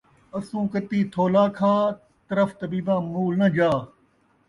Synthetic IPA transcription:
ɐsũːkɐt̪iːt̪ʰoːlaːkʰaː | t̪ɐɾəft̪ɐbiːbãːmuːlnɐd͡ʒaː

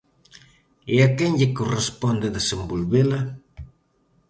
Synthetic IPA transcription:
eakeɲʎɪkorespond̪ɪðesembolβelɐ

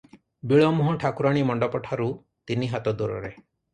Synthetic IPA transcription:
biɭɔmuɦɔ̃ʈʰakuɾaɽ̃imɔɳɖɔpɔʈʰaɾu | t̪iniɦat̪ɔd̪uɾɔ̰ɾe

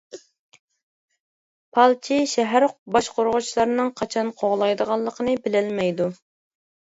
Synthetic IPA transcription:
pʰɑlˠt͡ʃʰiʃɛɦæɾqbɑʃqoɾʁʊt͡ʃʰilˠɑɾnɨŋqʰɑt͡ʃʰɑnqʰoʁlˠɑjd̪əʁɑlˠːəqʰənɨbɪlɪlmɛjd̪u

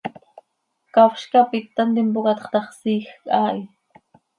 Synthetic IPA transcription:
kawʃkapɪt̪ːant̪ɪmpokɑt̪χt̪ɑχsixkaːj

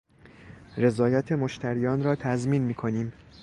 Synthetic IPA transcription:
re̞zɒːjɒt̪ʰe̞moʃt̪ʰæɾiːjɒːnɾɒːt̪ʰæzmiːnmiːkʰo̞niːm

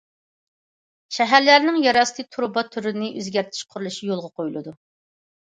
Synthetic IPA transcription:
ʃɛɦæɾlæɾnɪŋjɑɾɑst̪ʰɨt̪ʰuɾbɑt̪ʰyɾɪnɪʔøzɡʲæɾt̪ʰɪ̥ʃqʰʊɾulˠuʃijolˠʁɑqʰojulˠɨd̪u

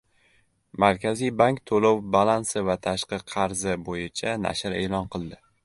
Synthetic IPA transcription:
maɾkʲʰazijbaŋkʲt̪ʰolowbalˠansɪvat̪ʰaʃqɨqʰɑɾzɪbojɪt͡ʃʰana̰ʃɪɾe̞ːlɒnqʰɨlˠd̪ɪ

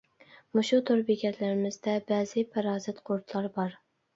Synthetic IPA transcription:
mʊʃut̪ʰʊɾbikʲɛt̪ʰlæɾɪmɪzd̪ɛbæzɪpʰɑɾɑːzɪt̪qʰoɾt̪ʰlˠɑɾbɑɾ

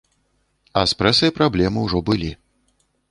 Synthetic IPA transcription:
ɐspɾɛsɐjpɾablʲɛmɨwʐɔbɨlʲi

